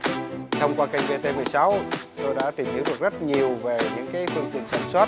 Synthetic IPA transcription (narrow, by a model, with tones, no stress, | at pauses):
t̪ʰə˧wŋ͡mkwaː˧ka˧jŋ̟ve˧t̪e˧mɨ˨˩əjsa˨˦wt̪o˧jɗa̰ː˧˥t̪i˨˩mhi˨˦wɗɨ˨˩ək̚zə˦˥t̚ɲi˨˩əwve˨˩ɲɨ̰˧˥ŋkaː˨˦jfɨ˧ŋt̪ḭ˧˨ənsaː˧˩nswaː˦˥t̚